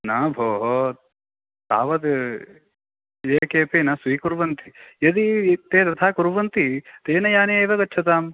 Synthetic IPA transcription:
nabʱoːɦo | t̪a̰ːʋɐd̪ | eːkeːpeːnɐsʋiːkuɾʋɐnt̪ijɐd̪it̪eːt̪ɐt̪ʰaːkuɾʋɐnt̪it̪eːnɐjaːneːeːʋɐɡɐtːt͡ʃʰɐt̪aːm

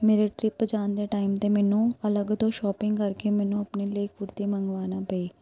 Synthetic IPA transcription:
meːɾeʈɾɪpd͡ʒaːnd̪eːʈaːɪmt̪eːmɛːnũːələɡd̪oːʃɔːpɪ̃ŋɡkəɾkemɛːnũːəpneleːkʰʊɾt̪iməŋɡʋaːnaːpəiː

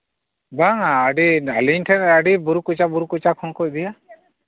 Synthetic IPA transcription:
baŋaːɖialiɲʈʰɛnaɖibuɾukut͡ʃabuɾukut͡ʃakʰɔŋkɔc̚d̪ija

